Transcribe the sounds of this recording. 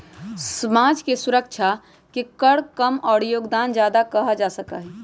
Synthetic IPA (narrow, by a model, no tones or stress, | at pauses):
səmad͡ʒkesuɾəkt͡ʃʰa | kikəɽkəmɔːɽjoːɡd̪and͡ʒjad̪akəɦəd͡ʒasəka̰ɦɛ